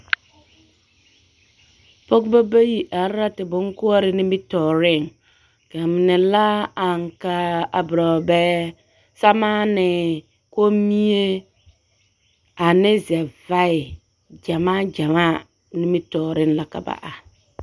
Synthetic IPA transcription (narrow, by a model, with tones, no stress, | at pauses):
po˦kba˦ba˦ji˨ʔa˨ɾɾa˦tɪ˨bʊ˦ŋ˦kʊ˦a˦ɾɪ˦nɪ˦mɪ˦tɔ˨ɾɪ˦˨ŋ | ka˨m˨nɪ˨la˦a˨ŋ˨ka˦a˨bɾa˨bɛː˦ | sa˦maː˦nɪ˨ | ko˦mi˦e˦ | a˨nɪ˦zɛ˨va˦ɪ˨ | d͡ʒa˨maː˦d͡ʒa˨maː˦˨ | nɪ˦mɪ˦tɔː˨ɾɪ˦n˦la˨ka̰˨ba̰˨ʔa˨